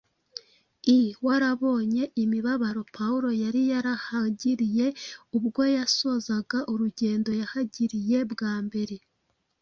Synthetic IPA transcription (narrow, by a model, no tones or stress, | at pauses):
iwaɾaβo̞ːɲe̞ʔimiβaβaɾo̞pʰauɾo̞jaɾijaɾahaɟiɾije̞ubɡo̞jaso̞zaɡaʔuɾuɟe̞ːndo̞jahaɟiɾije̞bɡaːmbe̞ɾe̞